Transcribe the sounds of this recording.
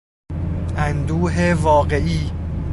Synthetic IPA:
ʔænd̪uːɦevɒːɢe̞ʔiː

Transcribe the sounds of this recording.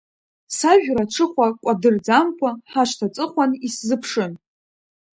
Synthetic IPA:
saʒᶣɾaʈ͡ʂʰɨχʷakʷʼadɨrd͡zamkʷʰaħaʃtʰat͡sʼɨχʷaniszɨpʰʂɨn

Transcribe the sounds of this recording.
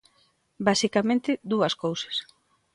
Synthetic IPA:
basikamẽnt̪ɪðuɐskowsḁs

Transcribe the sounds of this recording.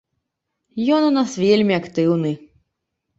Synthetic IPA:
jɔnunasvʲelʲmʲiɐkt̪ɪwnɨ

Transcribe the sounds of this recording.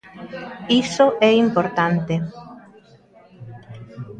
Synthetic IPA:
isoʔɛimpoɾt̪ant̪e

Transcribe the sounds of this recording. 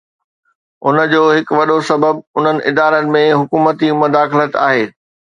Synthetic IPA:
ʊnəd͡ʑoːɦɪkʋɐɗosɐbəb̚ʊn̤ənɪ̆ʔɪd̪aːɾənɪ̆mẽɦʊkuːmət̪imʊd̪aːxɪlət̪a̰ːɦeː

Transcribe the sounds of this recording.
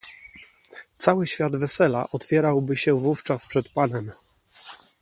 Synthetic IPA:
t̪sawɘɕfʲjad̪vɛsɛla̰ʔɔt̪fʲjɛɾawbɘɕɛvuft͡ʂaspʂɛt̪panɛm

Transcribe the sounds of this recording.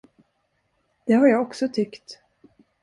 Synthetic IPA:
d̪̥ɛhaɾjaːɡɔksɔt̪ʰʏkt̪

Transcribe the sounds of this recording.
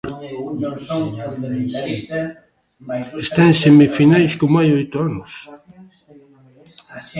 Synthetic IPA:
est̪aẽnsemifinajskomoajojt̪ʊanʊs

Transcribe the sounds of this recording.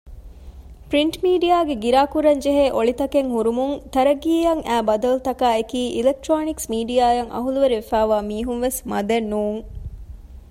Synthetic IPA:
pɾiɳʈmiːɖijaːɡeɡiɾaːkuɾɐɲd͡ʒeɦeːʔoɭit̪ɐkeŋɦuɾumuŋt̪ɐɾɐɡiːɐŋʔæːbɐd̪ɐlut̪ɐkaːekiːʔilek̚ʈɾoːniksmiːɖijaːjɐŋʔɐ̰ɦuluʋeɾiʋefæːʋaːmiːɦunʋesmɐd̪ɐnːuːŋ

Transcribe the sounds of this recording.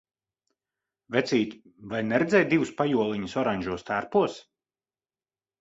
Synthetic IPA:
vɛt̪sʲiːt̪ʲ | vajnɛɾɛd̪zʲɛːjt̪̚d̪ivuspajuɔlˠiɲusɔɾaɲʲʒuɔst̪æɾpuɔs

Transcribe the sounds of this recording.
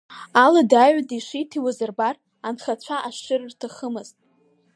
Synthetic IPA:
aladaɥʷadiʂitʰiwazɨrbar | anχat͡ɕʷʰaʔaʃɪrɨrtʰaχəmɨz̥tʼ

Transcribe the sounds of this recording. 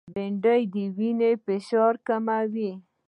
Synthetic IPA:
beɳɖəjd̪əwinepeʃɑɾkamawi

